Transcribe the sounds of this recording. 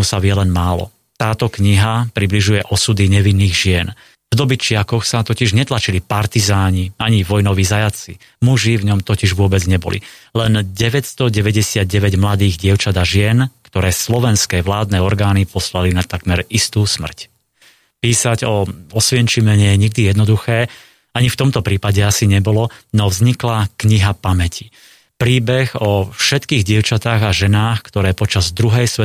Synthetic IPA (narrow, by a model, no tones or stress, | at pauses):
usaʋɪɛlɛnmaːlɔ̰ | t̪aːt̪ɔkɲiɦapɾibliʒujɛʔɔsud̪iɲɛʋinːiːɣʒɪɛn | vd̪ɔbit͡ʃɪakɔxsat̪ɔciʒɲɛt̪lat͡ʃilipaɾt̪izaːɲiaɲiʋɔjnɔʋiːzajat͡si | muʒivɲɔmt̪ɔciʒʋʊɔbɛd͡zɲɛbɔ̰lḭlɛnɟɛʋɛcst̪ɔɟɛʋɛɟɛsɪad̪̚ɟɛʋɛɟmlad̪iːɣɟɪɛʊt͡ʃad̪aʒɪɛnkt̪ɔɾɛːslɔʋɛnskɛːʋlaːd̪nɛːɔɾɡaːnipɔslalinat̪aɡmɛɾist̪uːsmr̩c | piːsaɟɔɔsʋɪɛnt͡ʃimɛɲɛjɛɲiɡ̚d̪ijɛd̪nɔd̪uxɛː | aɲift̪ɔmt̪ɔpɾiːpaɟɛasiɲɛbɔlɔnɔvzɲiklakɲiɦapamɛcʰi̥ | pɾiːbɛɣɔfʃɛt̪kiːɣɟɪɛʊt͡ʃat̪aːɣaʒɛnaːxkt̪ɔɾɛːpɔt͡ʃazd̪ɾuɦɛjsʋɛ